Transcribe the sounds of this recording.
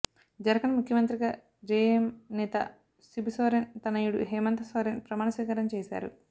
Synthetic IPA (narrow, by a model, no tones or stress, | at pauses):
d͡ʒɐɾɐkɐnumukʰjɐmɐnt̪ɾiɡɐ | d͡ʒeːjɐmnɛːt̪ɐ̰ | sibusɐɾent̪ɐnɐjiɽṵɦɛːmɐnt̪ɐsaːɾenpɾɐmaːɳɐsʋiːkaːɾɐmt͡ʃeːsa̰ːɾṵ